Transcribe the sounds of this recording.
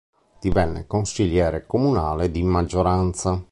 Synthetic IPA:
d̪̥ivɛnːḛkonsiʎjɛːɾekomunaːled̪imad͡ʒːoɾant̪sa

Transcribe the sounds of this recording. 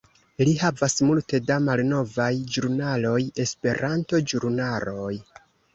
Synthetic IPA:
lihavasmulte̞damalno̞vajd͡ʒuɾnalo̞je̞spe̞ɾanto̞d͡ʒuɾnalo̞j

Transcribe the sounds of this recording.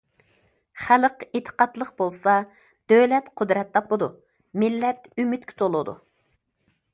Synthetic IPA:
χæləqet̪ʰə̥qɑt̪lˠəqbolˠsɑ | d̪̥øwlɛt̪qʰʊd̪ɾɛt̪ʰːɑpləd̪u | mɪlːɛt̪ymyt̪̚kʲʰy̥t̪ʰolˠud̪ṵ

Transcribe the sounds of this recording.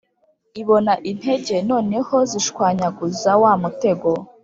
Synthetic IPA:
iβo̞naʔin̥he̞ɟe̞no̞ːne̞hoziʃkwaːɲaɡuzawaːmute̞ɡo

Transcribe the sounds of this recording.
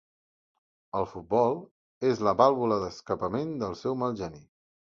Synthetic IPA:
əlˠfut̪̚bɔlˠ | ezləβalˠβuləðəskəpəmend̪əlˠsɛwməlˠʒəni

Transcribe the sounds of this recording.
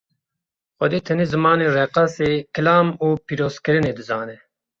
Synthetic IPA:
xɔd̪eːt̪ʰɨneːzɨmɑːneːrɛqɑseːkʰɨlaːmuːpiːɾoːzkɨɾɨneːd̪ɨzɑːnɛ

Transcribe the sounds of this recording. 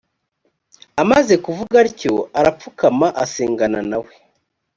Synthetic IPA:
amaze̞kuvuɡaɾco̞̰aɾap͡fukamaʔaseːŋɡananawe̞

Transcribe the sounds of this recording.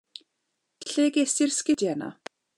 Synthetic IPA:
ɬeːɡesɪrskɪdjɛna̰

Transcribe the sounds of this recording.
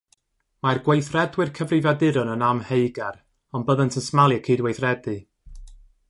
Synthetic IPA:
marɡwejθrɛdwɨrkʰəvrɪvadɪɾɔnənamhejɡɛr | ɔnbəðəntʰənsmalˠjɛkʰiːdwejθrɛdɨ

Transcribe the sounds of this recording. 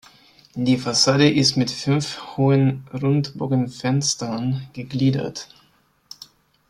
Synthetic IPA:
d̥iːfasaːdəʔɪstmɪtfʏnfhoːənʁʊntbɔɡənfɛnstɐnɡ̥əɡliːdɐ̰t

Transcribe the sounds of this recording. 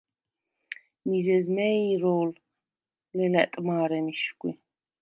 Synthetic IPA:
mizɛzmɛiɾɔːl | lɛlɛt̪ʼmaːɾɛmiʃkʷʼwḭ

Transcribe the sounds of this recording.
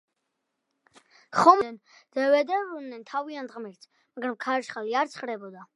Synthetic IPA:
χɔmn | d̪̥ɛvɛd̪ɛɾunːɛnt̪ʰaviant̪ʁmiɾt̪ʰ | maɡɾamkʰaɾʃχaliaɾt̪sʰχɾɛbɔd̪a

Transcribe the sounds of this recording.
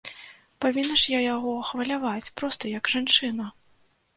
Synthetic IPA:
pavʲinːɐʂjajaɣɔxvɐlʲavat͡sʲpɾɔst̪ɐjɐɡʐant͡ʂɨnɐ

